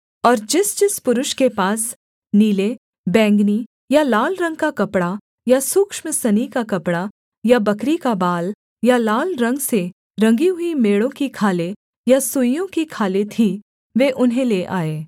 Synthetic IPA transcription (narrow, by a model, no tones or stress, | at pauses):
ɔːɾd͡ʒɪsd͡ʒɪspʊɾʊʃkepaːs | niːle | bɛ̃ːŋɡni | jalaːlɾɐ̃ŋɡ̚kakɐpɽa | jasʊkʃməsɐnikakɐpɽa | jabɐkɾikabaːl | jalaːlɾɐ̃ŋɡse | ɾɐ̃ŋɡiɦʊimeːɽõkikʰaːle | jasʊijõkikʰaːlet̪ʰi | ʋeːʔʊnɦẽleːʔaːeː